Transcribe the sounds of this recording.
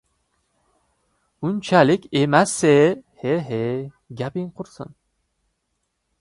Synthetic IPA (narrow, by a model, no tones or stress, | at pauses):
unt͡ʃʰælikʲemæsːeheɦe | ɡʲæpiŋqʰʊɾsɨ̰n